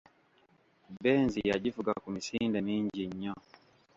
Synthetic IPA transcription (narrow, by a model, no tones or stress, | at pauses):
bɛnzijaɟifuɡakumisindɛmiɲd͡ʒiɲɲɔ